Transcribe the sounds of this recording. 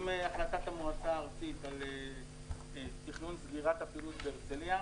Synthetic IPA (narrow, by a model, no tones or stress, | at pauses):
meaχlat̪at̪amuat͡saːʁt͡sit̪ale | t̪iχnunsɡiʁat̪apilut̪beeʁt͡selia